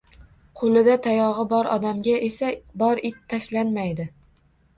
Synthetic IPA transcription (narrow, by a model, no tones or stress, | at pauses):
qʰolˠɪd̪at̪ʰajɒʁɨbɒɾɒd̪amɡʲaʔe̞sabɒɾɪt̪t̪ʰːaʃlanmajd̪ɪ